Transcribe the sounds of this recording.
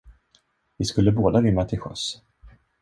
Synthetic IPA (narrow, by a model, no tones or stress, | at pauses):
vɪskɵlːəboːd̪aɾʏmːat̪ʰɪlɧœ̰s